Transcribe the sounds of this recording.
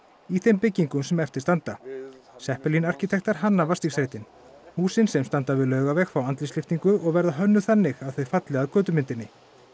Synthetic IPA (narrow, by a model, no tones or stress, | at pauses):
iθejmpɪcːiŋkʏmsɛmɛft̪ɪ̥ɾ̥st̪ant̪asɛhpɛlinar̥cit̪ʰɛxt̪aɾ̥ɦanːavḁst̪isɾejt̪ɪn | huːsɪnsɛmst̪ant̪avɪðlœːɥɣavɛxfɾawant̪lɪslɪft̪iŋkʏɔɣvɛɾðaɦœnːʏθanːɪɣaðθœɥfat̪lɛɣaðkœːt̪ʏmɪnt̪ɪnːɪ